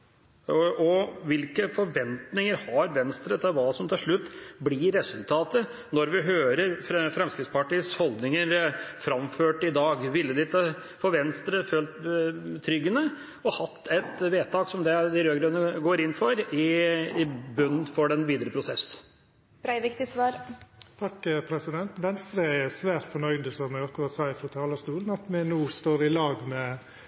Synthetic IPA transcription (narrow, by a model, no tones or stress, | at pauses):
ɔʋɪlkəfɔɾʋɛnt̪nɪŋəɾhɑɾʋɛnst̪ɾət̪ʰɪlʋɑːsɔmt̪ʰɪlʂɭʉt̪ːblɪɾɛsʉlt̪ʰɑːt̪ə | nɔɾʋɪɦøːɾəɾfɾɛmskɾɪt̪spɑʈiːəshɔlˠd̪nɪŋəɾfɾɑmføːʈɪd̪ɑːɡʋɪlːəd̪ɪt̪ə | fɔʋɛnst̪ɾəføːlt̪t̪ʰːɾʏɡːənə | ɔhɑt̪ʰːɛt̪ʋeːt̪ʰɑːksɔmd̪ɛd̪ɪɾøːɡɾœnəɡoːɾɪnːfɔɾɪɪbœnːnfɔɖɛnʋiːd̪əɾəpʰɾʊsɛs | b̥ɾæɪʋɪkt̪ɪsʋɑːɾt̪ʰɑkːpʰɾɛsɪd̪ɛnt̪ʋɛnst̪ɾəɛsʋæːɾt̪fɔɳœʏd̪əsɔmɛɡɑkːʊɾɑt̪sæɪfɾɔt̪ʰɑːlɑst̪uːlən̩ɑt̪mɛnuːst̪oːɾɪlɑːɡmɛ